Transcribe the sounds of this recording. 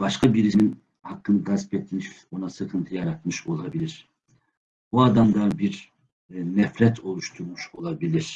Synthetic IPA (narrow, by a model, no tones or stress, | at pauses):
baʃkʰabiɾinin | hakʰːɯnɡazpet̪ʰːimiʃo̞nasɯkʰɯnt̪ʰɯjaɾat̪mɯʃo̞lˠabilʲiɾ̥ | buad̪amd̪abiɾ | nɛfɾɛt̪ʰo̞lˠuʃt̪ʰuɾmuʃo̞lˠabilʲiɾ̥